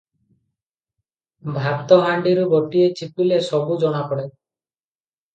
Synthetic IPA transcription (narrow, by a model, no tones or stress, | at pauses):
bʱat̪ɔɦaɳɖiɾuboʈiet͡ʃipilesɔbud͡ʒɔɽ̃akɔɽe